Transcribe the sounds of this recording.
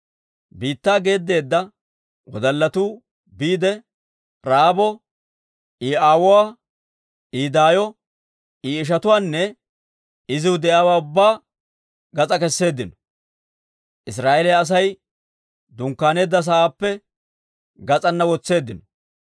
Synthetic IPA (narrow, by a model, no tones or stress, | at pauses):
biːt̪ːaːɡe̞ːd̪ːe̞ːd̪ːɐ | wɔ̰d̪ɐlːɐt̪uː | biːd̪ɛ | ɾaːbɔ | ʔiːʔaːwʊwaː | iːd̪aːjɔ | iːɪʃ̬ɐt̪ʊwaːnːɛ | ɪzɪwʊd̪ɛʔaːwaːʊbːaː | ɡɐt͡sʼɐkɛsːe̞ːd̪ːɪnɔ̥ | ʔɪs̬ɾaːʔelɛːs̬ɐj | d̪ʊŋkːaːne̞ːd̪ːɐs̬ɐaːpːɛ | ɡɐt͡sʼɐnːɐwɔt͡sːe̞ːd̪ːɪnɔ̥